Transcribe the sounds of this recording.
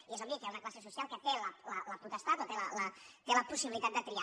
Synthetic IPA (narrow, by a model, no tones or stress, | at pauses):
iezomikɛunaklasesusijalˠkat̪elalalaput̪ast̪at̪ot̪elalad̪elapusiβilit̪at̪̚d̪ət̪ɾia